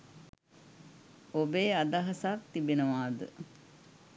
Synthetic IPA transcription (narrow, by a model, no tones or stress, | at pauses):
obeːad̪aɦasak̚t̪ibenəʋaːd̪ə̰